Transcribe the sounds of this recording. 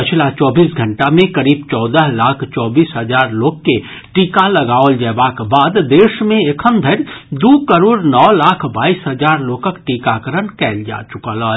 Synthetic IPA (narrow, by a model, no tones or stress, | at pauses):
pɪt͡ʃʰlat͡ʃɔːbiːsɡʱə̃ɳʈamẽkəɾiːbt͡ʃɔːd̪əɦlaːkʰt͡ʃɔːbiːsɦəd͡ʒaːɾloːɡke | ʈiːkalɐɡaːold͡ʒɛːbakbaːd̪d̪eːʃmẽekʰəmd̪ʱəɾd̪uːkəɾoːɾnɔːlaːkʰbaːiːsɦəzaːɾloːkəkʈiːkakəɾənkɛːld͡ʒa̰ːt͡ʃʊkala